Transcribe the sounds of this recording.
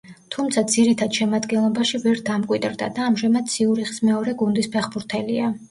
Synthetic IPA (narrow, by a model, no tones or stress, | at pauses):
t̪ʰumt̪sʰad̪z̥iɾit̪ʰad̪̥ʃɛmad̪ɡɛnlˠɔbaʃivɛɾd̪amkʼwid̪ɾd̪a̰d̪aːmʒɛmad̪siuɾiχi̥smɛɔɾɛɡund̪ispʰɛχbuɾt̪ʰɛlia